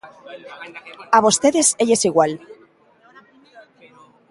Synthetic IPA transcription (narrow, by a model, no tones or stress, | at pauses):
aβ̞ost̪e̞ðeseʎesiɣwal